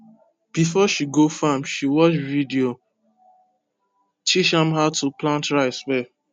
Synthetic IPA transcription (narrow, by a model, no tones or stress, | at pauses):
b̥ifɔʃiɡofamʃiwɔt͡ʃvidio | t͡ʃiʃãmɦaʊtuplãntɹaɪswɛ